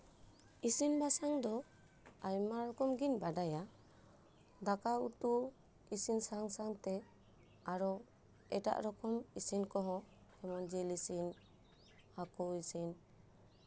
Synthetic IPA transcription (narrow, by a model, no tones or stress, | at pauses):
isinbasaŋd̪ɔ | ajmaɾɔkɔmɡinbadaja | d̪akautu | isinsaŋsaŋt̪ɛ | aɾɔ | ɛʈa̰ʔɾɔkɔmisinkɔɦɔ̃ | hɛmand͡ʒilisin | hakɔisin